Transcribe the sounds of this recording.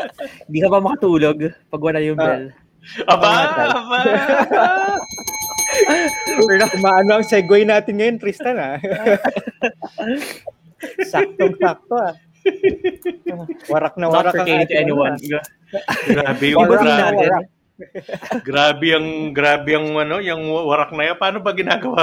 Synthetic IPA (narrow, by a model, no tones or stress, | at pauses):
hɪnd̪iːkɐbɐmɐkɐt̪uːloɡpɐɡwɐnajʊŋbɛl | ʔɐbaaɐba | akʊmaːʔɐnoʔɐŋsɛɡwojnaːt̪ɪnŋɐjonk̪ɾist̪ɐna | sak̚t̪oŋsak̚t̪oa | wɐɾak̚nɐwaɾakaŋet̪ɛniwana | ɡɾabɛaɡawɾak̚ | ɡɾaːbɛjɐŋɡɾaːbɪjɐŋɐnojɐŋwɐɾak̚nɐjapaːnobɐɡɪnaɡɐwa